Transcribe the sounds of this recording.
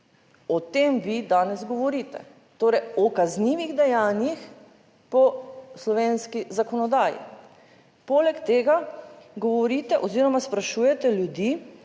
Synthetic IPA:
ɔt̪eːmʋid̪aːnɛzɡɔʋɔɾiːt̪ɛ̰ | t̪oːɾɛjɔkazniːʋiɣd̪ɛjaːnjix | pɔslɔʋeːnskizakɔnɔd̪aːjḭ | poːlɛkt̪eːɡaɡɔʋɔɾiːt̪ɛʔɔziːɾɔmaspɾaʃuːjɛt̪ɛljud̪iː

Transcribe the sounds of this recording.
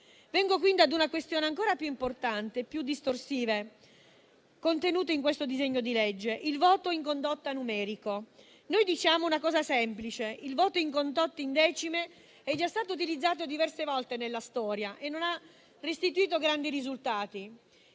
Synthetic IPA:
vɛŋɡokwind̪iad̪unakwest̪joːneaŋkoːɾapjuimport̪ant̪eːpːjud̪ːist̪orsiːve | kont̪enuːt̪oiŋkwest̪od̪izeɲːod̪iled͡ʒːeʔilvoːt̪oiŋkond̪ot̪ːanumɛːɾiko | nojd̪it͡ʃaːmounakɔːzasɛmplit͡ʃeilvɔːt̪oiŋkond̪ot̪ːeind̪ɛːt͡ʃime | ɛd͡ʒːast̪aːt̪̬out̪ilid̪zːaːt̪̬od̪ivɛrsevɔlt̪enelːast̪ɔːɾjaʔenːona | rːest̪it̪uiːt̪̬oɡɾand̪iɾizult̪aːt̪i

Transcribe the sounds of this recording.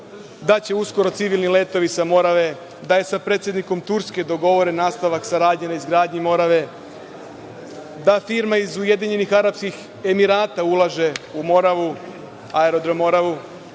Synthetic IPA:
d̪at͡ɕe̞usko̞ɾo̞t̪siʋilnile̞ːt̪o̞ʋisamo̞ɾaʋe̞ | d̪ajesapɾeːt̪sje̞d̪niko̞mt̪uɾske̞d̪o̞ɡo̞ʋo̞ɾe̞naːst̪aʋaksaɾaːd̪ɲenaizɡɾaːd̪ɲimo̞ɾaʋe̞ | d̪afiɾmaizuje̞d̪iɲe̞nixaɾapskix | e̞miɾaːt̪aulˠaʒe̞umo̞ɾaʋu | aeɾo̞d̪ɾomo̞ɾaʋu

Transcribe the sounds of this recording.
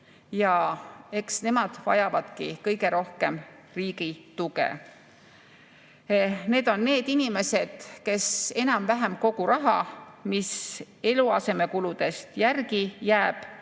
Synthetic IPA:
jɑe̞ksne̞mɑd̪̥vɑ̰jɑvɑd̪̥kikɤjɡe̞ɾo̞hke̞m | riːɡit̪uɡḛ | ne̞ːd̪̥onːe̞ːd̪inime̞se̞d̪̥ke̞se̞nɑmvæɦemko̞ɡ̥uɾɑɦɑ̰mis | e̞luɑse̞me̞kulud̪̥e̞st̪jærɡijæːb̥

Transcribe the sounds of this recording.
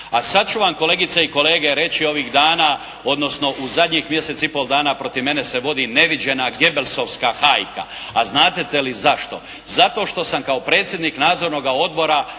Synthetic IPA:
asad̪̚t͡ʃuʋamko̞le̞ɡit̪seiko̞le̞ːɡe̞ɾe̞t͡ɕio̞ʋiːɣd̪aːnaː | o̞d̪no̞sno̞ʔuzad̪ɲexmje̞se̞t̪sipo̞lˠd̪aːnapɾo̞t̪iʋme̞neseʋo̞d̪ine̞ʋid͡ʑe̞naɡe̞belso̞ʋskaxajka̰aznaːt̪et̪e̞lizaʃt̪o̞̰ | zat̪o̞ʃt̪o̞samkao̞pɾe̞ːt̪sʲje̞d̪niknaːd̪zo̞ɾno̞ɡao̞d̪̚bo̞ɾa

